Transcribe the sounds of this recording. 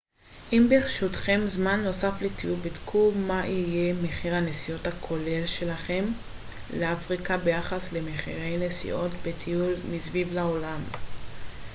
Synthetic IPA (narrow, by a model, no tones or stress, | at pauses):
ʔimbeχʃutχe̞mzmanːo̞saflet̪iulbidkʰumaʔije̞meχiʁhanesio̞thakʰo̞le̞lʃe̞laχe̞m | leafʁikabe̞jaχasle̞meχḭʁe̞jne̞sḭʔo̞t̪bet̪ʰiulmisvivlaolam